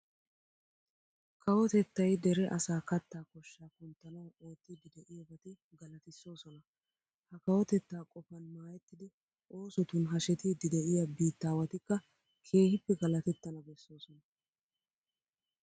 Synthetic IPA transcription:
kɐwɔt̪ɛt̪ːɐjd̪ɛɾɛʔɐsaːkɐt̪ːaːkɔʃːaːkʊnt̪ːɐnɐwo̞ːt̪ːid̪ɪd̪ɛʔɪjɐbɐt̪ɪ | ɡɐlɐt̪ɪsːo̞ːsɔnɐ | hɐkɐwɔt̪ɛt̪ːaːkʼɔfɐnmaːjɛt̪ːɪd̪ɪ | ʔo̞ːsɔt̪ʊnɦɐʃɛt̪id̪ɪd̪ɛʔɪjɐbiːt̪ːaːwɐt̪ɪkːɐ | kʰe̞ːhɪpːɛɡɐlɐt̪ɛt̪ːɐnɐbɛsːo̞ːsɔnɐ

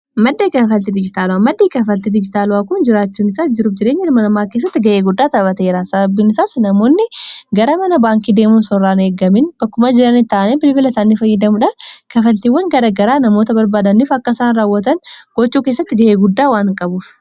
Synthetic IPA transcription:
mɐd̪ːeːkɐfɐlt̪ɪd̪ɪd͡ʒɪt̪aːlʊwaːmɐd̪ːeːkɐfɐlt̪ɪd̪ɪd͡ʒɪt̪aːlʊwaːkʊnd͡ʒɪɾaːt͡ʃːuːnɪsaːd͡ʒɪɾuːfd͡ʒɪɾeːɲːɪɾmɐnɐmaːkes̬ːɐt̪ːɪɡɐʔeːɡʊd̪ːaːt̪ɐbɐt̪eːɾaːsɐbɐbːiːnɪsaːsnɐmo̞ːnːɪɡɐɾɐmɐnɐbaːŋkiːd̪e̞ːmuːnsɔrːaːnʊeːɡɐmɪnb̥ɐkːʊmɐd͡ʒɪɾɐnɪt̪ːaːʔɐnɛbɪlbɪlɐsaːnːifɐjːɐd̪ɐmʊᶑɐnkɐfɐlt̪iːwːɐŋɡɐɾɐɡɐɾaːnɐmo̞ːt̪ɐbɐɾbaːd̪ɐnɪfɐkːɐsaːnɾaːwːɐt̪ɐnɡ̥ɔt͡ʃːuːkeːs̬ːɐt̪ːɪɡɐʔeːɡʊd̪ːaːwaːnkʼɐbuːf

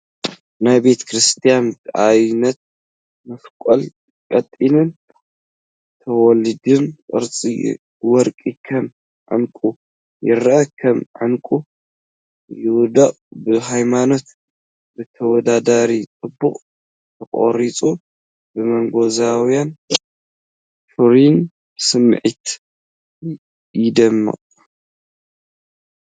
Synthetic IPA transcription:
najbe̞t̪ʰkʰɾɨst̪ʰijant̪ʔajnɐt̪̚ | mɐskʷʼol | kʼɐt̪ʼːinɨn | t̪ʰɐwɔlɨd̪ɨnkʼɨ̰ɾt͡sʼḭ | wɔɾkʼikʰɐm | ʕɨ̰ŋkʼu | jɪɾɐʔɐkʰɐmʕɨŋkʼu | jɪwd̪ɐʔʼbɨɦajmano̞t̪ | bɨt̪ʰɐwɔd̪ad̪aɾit͡sʼɨbːuχʼ | t̪ʰɐkʼo̰ɾit͡sʼu | bɨmɐŋɡozawjan | fɨɾin | bsɨmːʕit̪ | jɪd̪ɐmːɨ̰qʼ

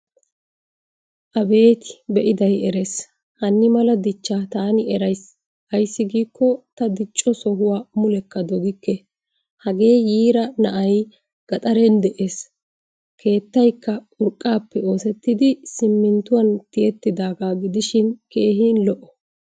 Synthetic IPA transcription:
ʔɐbe̞ːt̪ɪ̥bɛʔɪd̪ɐjɛɾeːs | hɐnːɪmɐlɐd̪ɪt͡ʃːaːt̪aːnɪɛɾɐjs | ɐjsːɪɡiːkːɔt̪ɐd̪ɪt͡ʃʼːɔsɔɦʊwaːmʊlɛkːɐd̪ɔɡɪkːɛ | hɐɡe̞ːjiːɾɐnɐʔɐj | ɡ̥ɐt̪ʼɐɾɛnd̪ɛʔe̞ːs | kʰe̞ːt̪ːɐjkːɐ | ʊɾkʼːaːpːɛo̞ːsɛt̪ːɪd̪ɪsɪmːɪnt̪ʊwɐnt̪ɪɛt̪ːɪd̪aːɡaːɡɪd̪ɪʃɪnke̞ːɦinlɔʔɔ

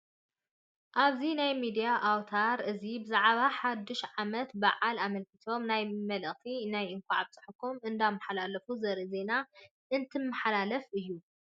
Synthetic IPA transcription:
ʔaβzinajmid̪ijaʔawt̪ʰaɾɨzibɨzaʕβaħad̪ːɨʃʕamɐt̪baʕalamɐlkʰɨt̪ʰo̞mnajmɐlɨʔʼt̪ʰinajɨŋkʷʰaʕabt͡sʼɨ̥ħɨkʰomʔɨnd̪amːaħalalɐfuzɐɾɨze̞na | ʔɨnt̪ʰɨmːɨħalalɐfʔɨjːu

